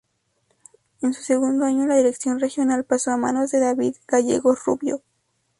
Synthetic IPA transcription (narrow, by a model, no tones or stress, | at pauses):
ensu̥se̞ɣund̪oaɲolaðiɾe̞ksjo̞nre̞xjo̞nalpaso̞ama̰no̞zðe̞ðaβiðɡ̥aʝe̞̰ɣo̞rṵβjo̞